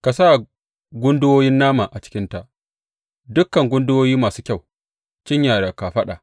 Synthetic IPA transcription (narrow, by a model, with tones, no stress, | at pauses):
ka˨sa˦˨ | ɡʷʊ˦ndʊ˦woː˦jɪ˦nːaː˦maː˨ʔa˨t͡ʃɪ̥˦kʲɪ˦nta˨ | dʊ˦kːɐ˨ŋɡʷʊ˦ndʊ˦woː˦jiː˦maː˨suː˦kʲa˦˨w | t͡ʃɪ˦ɲjaː˨ɽa˨ka˨ɸɐ˦ɗa̰ː˨